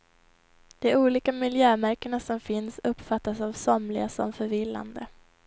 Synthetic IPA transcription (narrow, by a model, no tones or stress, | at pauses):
d̪̥ɛuːliːkamɪljøːmæɾkəɳasɔmfɪnsɵpːfat̪ːasavsɔmlɪɡasɔmfœɾvɪlːa̰nd̪ə